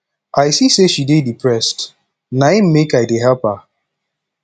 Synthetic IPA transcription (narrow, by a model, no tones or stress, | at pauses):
aɪsiseʃidedipʰɹɛst | naim̩mekaɪdeɦɛlpha